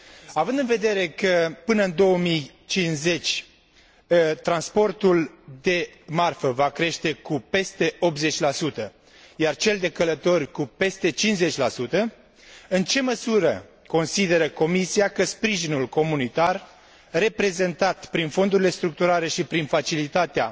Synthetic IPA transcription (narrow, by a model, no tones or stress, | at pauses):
avɨnd̪ɨnve̞d̪e̞ɾe̞kəpɨnəɨnd̪o̞wəmij | t͡ʃinze̞t͡ʃʲ | t̪ɾanspo̞rt̪uld̪e̞marfəvakɾe̞ʃt̪e̞kupe̞st̪e̞o̞p̪̚ze̞t͡ʃʲlasut̪ə | jart͡ʃe̞ld̪e̞kələt̪o̞rʲkupe̞st̪e̞t͡ʃinze̞t͡ʃʲlasut̪ə | ɨnt͡ʃe̞məsuɾə | ko̞nsid̪e̞ɾəko̞misiakəspɾiʒinulko̞munit̪ar | re̞pɾe̞ze̞nt̪at̪pɾinfo̞nd̪uɾile̞st̪ɾuk̚t̪uɾale̞ʃipɾinfat͡ʃilit̪at̪ea̰